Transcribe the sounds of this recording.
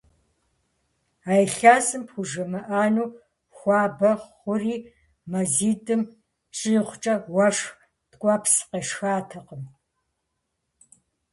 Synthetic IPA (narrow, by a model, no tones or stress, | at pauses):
aːjɬaːzɨmpxʷʊʒɐmɐʔaːnuː | xʷɑːbɐʁχʷʊriː | mɐziːdʼɨm | t͡ʃʼijχʷʊt͡ʃʼɐwɐʂx | tkʷʼɑːpʰsqeʂxaːtʰɐqəm